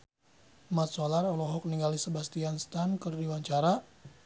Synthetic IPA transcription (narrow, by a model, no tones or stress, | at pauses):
mat̪̚sɔlarɔlɔɦɔk̚niŋɡalisəbast̪ianst̪ankərdiwaɲt͡ʃaɾa